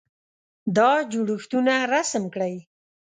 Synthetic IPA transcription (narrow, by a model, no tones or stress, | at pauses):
d̪ɑd͡ʒuɽuxt̪unaɾasəmkɽaj